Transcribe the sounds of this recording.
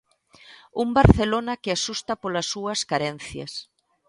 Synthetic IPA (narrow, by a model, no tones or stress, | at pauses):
umbaɾθelonɐkeasust̪ɐpolɐsːuɐskaɾɛn̟θjɐ̰s